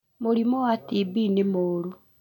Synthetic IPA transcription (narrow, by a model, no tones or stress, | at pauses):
moɾimɔwatibinemoːɾu